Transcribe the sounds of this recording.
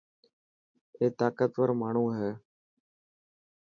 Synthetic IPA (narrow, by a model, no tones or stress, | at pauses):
eːt̪aːkət̪ʋəɾmaːɳ̤ũːɦɛː